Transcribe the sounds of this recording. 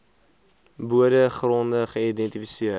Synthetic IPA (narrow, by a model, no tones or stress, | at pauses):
buədəχrɔndəχəidɛntifisiə